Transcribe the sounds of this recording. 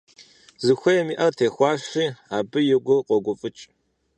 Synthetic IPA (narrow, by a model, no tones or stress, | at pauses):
zɨxʷɐjɛmiːʔɐrtʰeːxʷɑːʂiːaːbɨjɛɡʷʊqʷɔɡʷʊfʼɨt͡ʃʼ